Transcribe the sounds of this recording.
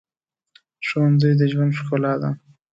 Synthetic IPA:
ʃowanzəjd̪əʒwand̪ʃkolɑd̪a̰

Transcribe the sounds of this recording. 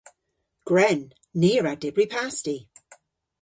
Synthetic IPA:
ɡ̥ɹɛnː | iːəɹadɪbɹipʰasti

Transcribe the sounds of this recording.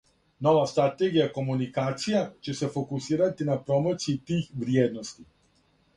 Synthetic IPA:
no̞ʋast̪ɾat̪eɡijako̞munikaːt̪sijat͡ɕese̞fo̞kusiːɾat̪inapɾo̞mot̪sijit̪iːxʋɾjeːd̪no̞st̪i

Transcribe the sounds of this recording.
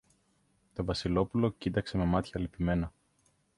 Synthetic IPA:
t̪o̞vɐsilo̞pulo̞cit̪ɐkse̞me̞mɐt̪çɐːlipime̞nɐ

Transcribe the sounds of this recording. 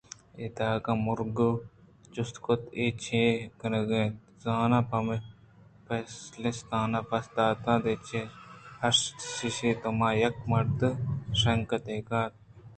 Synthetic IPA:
et̪aːkãːmʊɾɡ | t͡ʃust̪kot̪et͡ʃʰẽːkɐnɐɡẽː | zaːnapɐm | pɐslest̪aːnɐpɐst̪aːt̪ãːd̪et͡ʃʰehɐsʃiʃeːt̪omaːjɐkmɐɾt̪ɨʃɐŋkɐt̪eːkaːt̪̚

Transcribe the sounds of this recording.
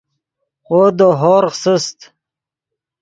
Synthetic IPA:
oːd̪oɦoːɾqsəst̪

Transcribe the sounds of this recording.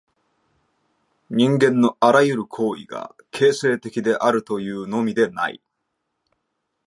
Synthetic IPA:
ɲ̟ĩŋɡẽnːo̞aɾajɯ̟ɾɯ̟kʰo̞ːḭɡa̰ | kʰe̞ːse̞ːt̪e̞kʲid̪e̞ʔaɾɯ̟t̪o̞jɯ̟ːno̞mʲid̪e̞na̰ḭ

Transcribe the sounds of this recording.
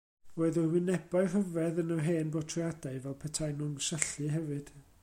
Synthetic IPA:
oɨðɔwɪnɛbaɨɦəvɛðənəɦeːnbɔtʰrijadaɨvɛlˠpʰɛtʰajnunsəɬɨɦɛvɨd̥

